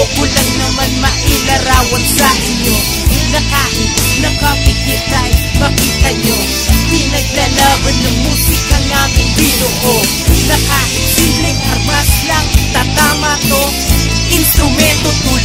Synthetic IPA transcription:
okʊlaŋnɐmanmɐʔɪlɐɾaːwɐnsɐʔɪɲjo | nɐkaʔɪt̪ | nɐkɐpɪkɪt̪ajpɐkit̪ɐɲo | pɪnɐɡ̚lɐlaʔɐnːɐŋmusɪkɐŋaːʔɪnpiːnoʔo | nɐkaʔɪt̪siblɪŋʔɐɾmaslaŋt̪at̪aːmat̪o | ʔɪnst̪ɾʊmɛnt̪ot̪u

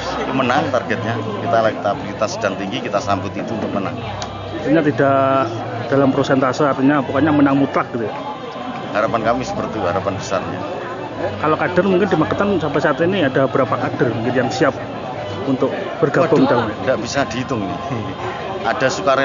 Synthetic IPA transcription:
it̪umənaŋt̪arɡɛt̪̚ɲakit̪alahkit̪abəɾit̪asədaŋt̪iŋɡikit̪asambʊt̪it̪unt̪ʊk̚məna̰ŋ | art̪iɲat̪idaʔ | d̥alampɾosɛnt̪asiart̪iɲabukaɲamənaŋmut̪lak̚ɡit̪uj | haɾapankamisə̥pərt̪iɦaɾapanbəsa̰rɲa̰ | kalokad̥armuŋkɪndimakət̪ansampasaːt̪iniadabəɾapakad̥armuŋkɪnjaŋsiap̚ | unt̪ʊk̚ | b̥ərɡabʊŋd̪aandaʔb̥isadiit̪ʊŋni | ad̥asukaɾ

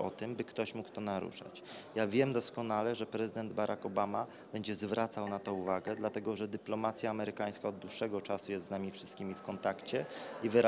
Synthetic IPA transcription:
ɔt̪ɘmbɘkt̪ɔɕmukt̪ɔnaɾṵʂa̰t͡ɕ | javʲjɛmd̪ɔskɔnalɛʐɛpɾɛzɘd̪ɛnd̪baɾʔakɔbama | b̥ɛɲd͡ʑɛzvɾat̪sawnat̪ɔuvaɡɛd̪lat̪ɛɡɔʐɛd̪ɘplɔmat̪sʲjaːmɛɾɘkaj̃skaɔd̪dːwuʂːɛɡɔt͡ʂasujɛst̪znamʲifʂɘst̪kʲimʲifkɔnt̪akt͡ɕɛivɘɾa

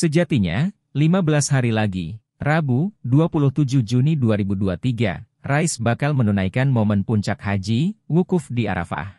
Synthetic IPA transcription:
səd͡ʒat̪iɲa̰ | limabəlashaɾilaɡi | rabuduapulʊht̪ud͡ʒuhd͡ʒuniduaɾibuduat̪iɡa̰ | raɪsbakalmənunajkanmomənpuɲt͡ʃak̚had͡ʒiwukʊfdia̰ɾa̰fa̰h

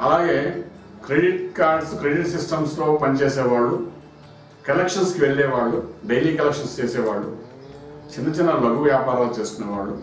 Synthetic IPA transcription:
ɐlaːɡe̞ː | kɾeɖiʈkaːɾɖskɾeɖiʈsisʈɐmst̪o̞ːpɐnit͡ʃeːsɛːʋaːɭːu | kɐlekʂɐnskiʋeɭːɛːʋaːɭːuɖejliːkɐlekʂɐnst͡ʃeːsɛːʋaːɭːu | t͡ʃinːɐt͡ʃinːɐlɐɡuʋjaːpaːɾaːlut͡ʃeːsu̥kunːɐʋaːɭːu

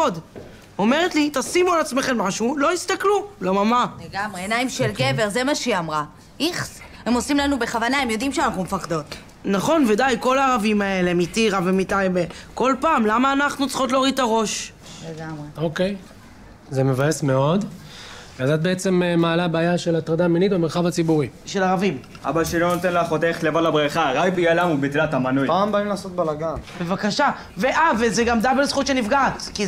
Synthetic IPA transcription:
od̪ | o̞me̞ʁet̪lit̪asimalat͡smeχe̞nmaʃulo̞ist̪aklulemamaleɡamʁeenaimʃelɡeveʁzemaʃiamʁa | iχ | hemo̞simlanube̞χavanaemjo̞d̪imʃeanaχnumefaχd̪o̞t̪ | naχo̞nved̪ajko̞laːʁavimae̞le̞mit̪iʁavemit̪ajbeko̞lpaːmlamaːnaχnut͡sχo̞t̬loʁit̪aʁo̞ʃ | leɡamʁeoke̞j | zemevajesmeo̞d̪ | ad̪at̪̚beet͡se̞mmaːlabaːjaʃe̞lat̪ʁad̪aminit̪̚bemeʁχavat͡sibuʁiʃelaʁavim | ʔa̰baʃilonot̪enlaχot̪eχlevalabʁiχaʁajbijalamubit̪lat̪amanupaːmbaimlaːsot̪̚balaɡanbe̞vakaʃa | veʔavezeɡamd̪abelzχutʃenifɡaːtki

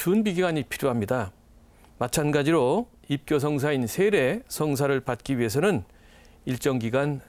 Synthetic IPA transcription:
t͡ɕunbiɡiɡaɲipʰiɾjoɦamɲida | mat͡ɕʰanɡad͡ʑiɾo | ip̚k͈jos̬ʰʌŋs̬ʰainsʰe̞ɾe̞sʰʌŋs̬ʰaɾɯɭpat̚k͈iɥiɦe̞sʰʌnɯn | iɭt͡ɕ͈ʌŋɡiɡan

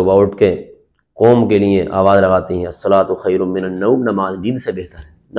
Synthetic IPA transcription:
ʋaːʈke | kɔːmkelieʔa̰ːʋaːzɾɐɡaːt̪iɦɛ̃ɐsːɐlaːt̪xɐjɾʊmɪnɐnːoːmnɐmaːzbiːnsebeːɦt̪əɾɦɛːn

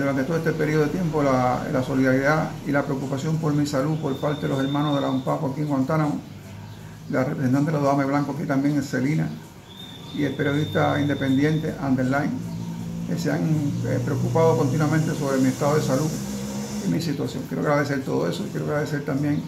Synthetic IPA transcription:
d̪uɾant̪et̪oet̪epeɾioðet̪je̞mpolalaso̞liðaɾiðailapɾeokupasjo̞mpo̞ɾmisalupo̞ɾpaɾt̪eðeloseɾmãnoɦðe̞laumpakoakie̞ŋɡwant̪anamo | larepɾesent̪ant̪elaðoameβ̞laŋkoakit̪ambje̞ŋesse̞lina | ie̞lpe̞ɾjo̞ð̞iht̪aind̪e̞pe̞nd̪je̞nt̪e̞ʔand̪eɾlajnkesea̰ŋḛpɾeokupaðo̞ko̞nt̪inwamẽnt̪e̞so̞βɾe̞mie̞st̪aðoðesalu | imisit̪wasjoŋkjeɾoa̰ɣɾaðe̞s̬eɾt̪o̞ðo̞̰e̞soikje̞ɾoaɣɾaðese̞ɾt̪ambje̞ŋ

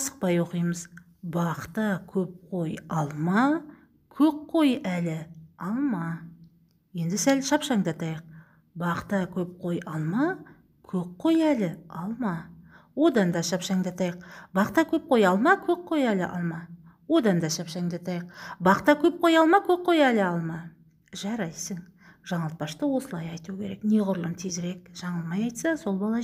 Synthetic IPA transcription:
sə̥q̚pɑjwo̞qijməz | bɑqt̪ɑkʲʰɵp̚qʰo̞jɑlˠmɑ | kʲʰɵkqʰːo̞jælɪɑlˠmɑ | je̞nd̪ɪsælʃɑpʃɑɴd̪ɑt̪ɑjəq̚ | bɑqt̪ɑkʲʰɵp̚qʰo̞jɑlˠmɑ | kʲʰɵk̚qʰːo̞jælɪɑlˠmɑ | wo̞d̪ɑnd̪ɑʃɑpʃɑŋd̪ɑt̪ɑjəqbɑqt̪ɑkʲʰɵp̚qʰo̞jɑlˠmɑkʲʰɵp̚ʰːo̞jælɪʔɑ̰lˠmɑ | wo̞d̪ɑnd̪ɑʃɑpʃɑɴd̪ɑt̪ɑjəqbɑqt̪ɑkʲʰɵp̚qʰo̞jɑlˠmɑkʲʰɵp̚qʰːo̞jælɪɑlˠmɑ | ʒɑɾɑjsəɴ | ʒ̥ɑɴɑlˠt̪̚pɑʃt̪əwo̞səlˠɑjɑjt̪ukʲʰe̞ɾe̞kne̞ʁʊɾlˠənt̪ʰezɾe̞k̚ʒ̥ɑɴəlˠmɑjɑjt̪sɑso̞lˠbɑlˠɑ

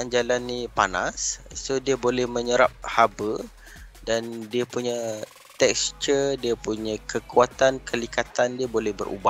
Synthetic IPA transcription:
and͡ʒalanːipana̰sːodiabolɛhmə̃ɲəɾap̚habə | dandiapuɲã | t̪ɛkst͡ʃədiapuɲãkʰəkuat̪ankʰəlikat̪andiabolɛhbəɾʔṵba

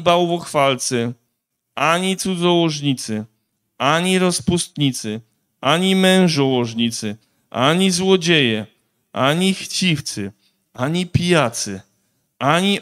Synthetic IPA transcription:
bawvɔxfalt̪sɘ | aɲit̪sud̪zɔwɔʐɲit̪sɘ | aɲiɾɔspust̪̚ɲit̪sɘ | aɲimɛ̃w̃ʐɔwɔʐɲit̪sɘ | ʔaɲizwɔd͡ʑejɛ | ʔaɲixt͡ɕift̪sɘ | aɲipʲijat̪sɘ̰ | aɲi

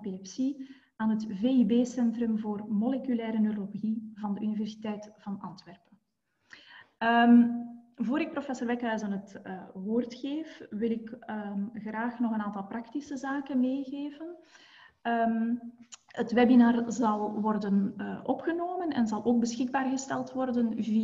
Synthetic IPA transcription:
pilɛpsi | aːnɦətveːibeːsɛntrɵmvoːrmɔlekylɛːɾənøɾlolɣivɑndəʔynivɛrsi̥tɛjtv̥ɑnʔɑntʋɛrpən | əmvoːɾɪk̚profɛsorʋɛkɦœɥzənɦətːwoːrtxeːfʋɪlɪk | ɣraːxnɔɣənaːntɑlˠprɑktisəzaːkənmeːɣeːvən | m | ətʋɛbinaːrzɑlˠʋɔrdənəʔɔpxənoːmənɛ̰nzɑlˠʔoːɡ̚bəsxɪɡ̚baːrɣəstɛlˠtʋɔrdənvi

